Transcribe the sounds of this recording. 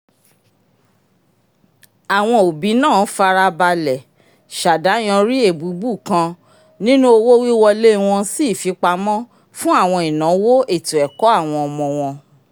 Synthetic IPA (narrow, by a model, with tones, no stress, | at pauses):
a˨w̃ɔ̃˧o˨bi˨˦nãː˦˨˦fa˧ɾa˧ba˧lɛ˨ | ʃa˨da˨˦j̃ã˧ɾi˦e˦˨bu˨˦bu˦˨kã˧ | nĩ˦nũ˦o˧wo˦wi˦wɔ˧le˦˧w̃ɔ̃˧si˦˨fi˨˦k͡pa˧mɔ̃˦ | fũ˦a˦˨w̃ɔ̃˧i˨nã˨˦wo˦e˦˨tũ˨ɛ˨kɔ˨˦a˦˨w̃ɔ̃˧ɔ˧mɔ̃˧w̃ɔ̃˧